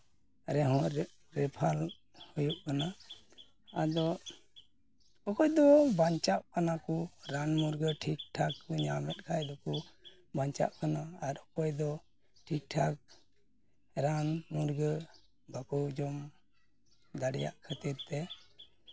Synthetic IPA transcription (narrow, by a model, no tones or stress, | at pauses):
ɾɛɦɔ | ɾɛpʰal | hujuʔkʰana | ad̪ɔ | ɔkɔjd̪ɔbaɲt͡ʃaʔkanakɔɾanmuɾɡəʈʰik̚ʈʰakːɲamɛt̪̚ˀkʰajd̪ɔku | baɲt͡ʃa̰ʔkʰanaaɾɔkɔjd̪ɔ | ʈʰik̚ʈʰak̚ | ɾanmuɾɡə | bakɔwd͡ʒɔm | d̪aɽɛja̰ʔkʰət̪iɾt̪ɛ